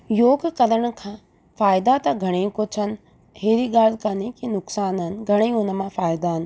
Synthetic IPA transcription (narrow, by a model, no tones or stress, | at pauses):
joːɡkɐnəɽ̃ʊ̆kʰãː | faːɪd̪at̪ɐɡʱɐɽ̃ekot͡ɕʰən̆ | heːɾiɠaːlkanikinʊksaːnɦənɪ̆ɡʱɐɽ̃eʊnə̆mãfaːɪd̪aɦɪnɪ̆